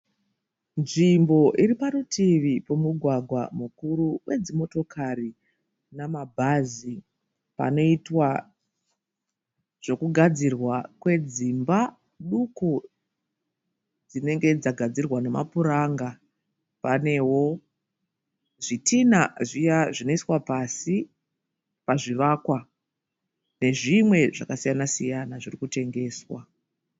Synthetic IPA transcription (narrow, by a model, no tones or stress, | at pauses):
nʐimbo̞ʔiripaɾutʰiʋipo̞muɡʱwaɡʱwamukuɾuwʔe̞d͡zimo̞to̞kʰari | namabʱazi | pa̰no̞itwa | ʐ̥o̞kuɡʱad͡zirwakwe̞d͡zimba | ɗuko | d͡zine̞ŋɡe̞d͡zaɡʱad͡zirwane̞mapuɾaŋɡa | pane̞wo̞ | ʐitʰinaʐijaʐino̞iswapasi | paʐiʋaːkwa | ne̞ʐimwe̞ʐakasijanasijanaʐirikute̞ŋɡe̞ːswa